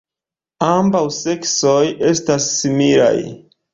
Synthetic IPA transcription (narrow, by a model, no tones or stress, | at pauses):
ambawse̞ksoje̞stasːimila̰j